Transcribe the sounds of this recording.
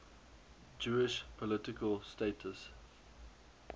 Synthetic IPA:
d͡ʒuːɪʃpʰɔlɪtɪkʰəlsteɪtʰəs

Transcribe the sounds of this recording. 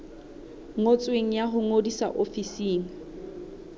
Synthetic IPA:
ŋot͡sʼweŋ̩jaɦʊŋodisa̰ʔofisiːŋ̩

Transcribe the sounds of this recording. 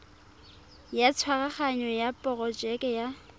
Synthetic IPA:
jat͡sʰwaɣaχaɲɔjapʼɔɣɔd͡ʒɛkʼɛja

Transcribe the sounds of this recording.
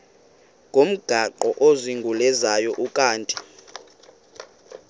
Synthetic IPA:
ŋʱom̩ɡ̥ʱaǃɔʔoziŋɡʱulɛzajɔʔukʼaːntʼi

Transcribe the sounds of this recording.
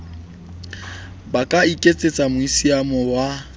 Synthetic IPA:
bakʼaikʼet͡sʼet͡sʼamʊisiamɔwa

